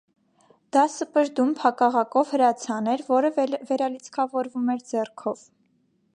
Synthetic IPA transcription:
d̪̥ɑsəpəɾd̪umpʰhɑkɑʁɑkɔvhəɾɑt͡sʰɑnɛɾvɔɾəvɛɾɑlit͡sʰkʰɑvɔɾvumɛɾd͡zɛrkʰɔv

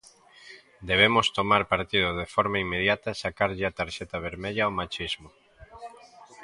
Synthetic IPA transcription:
d̪eβemost̪omaɾpaɾt̪iðʊðefɔɾmaimːeðjat̪asakaɾʎɪat̪aɾʃɛt̪aβ̞eɾmeʎaomat͡ʃizmo

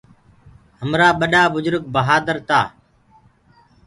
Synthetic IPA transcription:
ɦəmɾaːɓəɗaːbʊzəɾk̚bəɦaːd̪əɾt̪aː

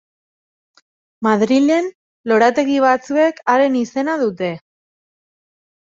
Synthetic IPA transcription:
maðɾile̞n | lo̞ɾat̪e̞ɣiβ̞at͡sue̞kaɾe̞nise̞naðut̪e̞

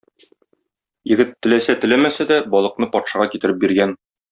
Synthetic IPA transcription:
jɘ̆ɡɘt̪ːɘ̆læsæt̪ɘ̆læmæsæd̪æbɒlˠɤ̆qnɤpɒt̪ʃɑʁɑkit̪ɘ̆ɾɘp̚biɾɡæn

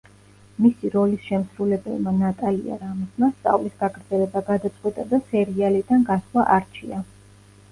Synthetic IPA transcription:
misiɾɔlisʃɛmsɾulɛbɛ̰lˠmanat̪ʼalḭa̰ɾamismast̪sʼa̰vlisɡ̥aɡɾd̪zɛlɛbaɡad̪at̪sʼqʼwɛt̪ʼad̪asɛɾialid̪anɡaslˠaʔaɾt͡ʃʰḭa

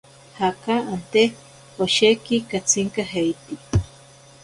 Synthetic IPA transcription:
hakaant̪e | hoʃekikat͡sʰiŋkaɦejt̪i

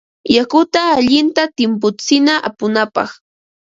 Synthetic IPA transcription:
jakʊt̪aːʎɪnt̪at̪ɪmp̬ʊt͡sɪnaʔa̰pʊnapɑ̰χ

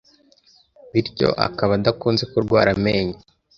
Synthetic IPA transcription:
βiɾco̞̰ʔa̰kaβadakuːnze̞kuɾɡwaːɾame̞ːɲe

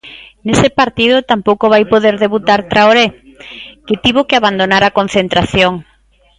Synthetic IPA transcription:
nesɪpaɾt̪ið̞ʊt̪ampowkoβajpoðeɾðeβut̪aɾt̪ɾaoɾe | kɪt̪iβokɪaβand̪onaɾakon̟θent̪ɾaθjoŋ

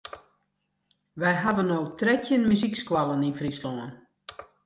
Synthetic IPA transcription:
ʋɛjɦaʋənːowtrɛtʰjənmyzikskwalˠəninfrislɔən

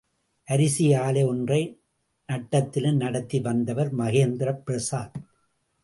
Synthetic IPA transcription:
ʔɐɾɪsɪjaːlɐɔndrɐɪ | nɐʈːɐt̪ːɪlɯmnɐɽɐt̪ːiʋɐnd̪ɐʋɐɾmɐɣeːnd̪ɪɾɐpɾɐsaːɾ

